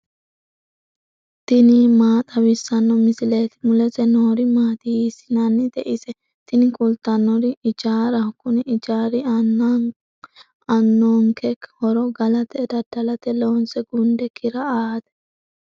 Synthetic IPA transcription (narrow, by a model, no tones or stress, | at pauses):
t̪ɪnimaːt̪ʼɐwɪsːɐnːɔmɪsɪleːt̪ɪ̥mʊlɛtɛnoːɾɪmaːt̪iisɪnɐnːɪd̪ɛʔɪsɛ | t̪ɪnɪkʼʊlt̪ːɐnːɔɾɪɪd͡ʒaːɾɐkʊnɛʔɪd͡ʒaːɾɪɐnːa | ɐnːoːmkʰɛkːhɔɾɔɡɐlɐt̪ɛd̪ɐd̪̥ɐlɐt̪ɛloːnsɛɡʊnd̪ɛkʰɪɾɐaːd̪ɛ̥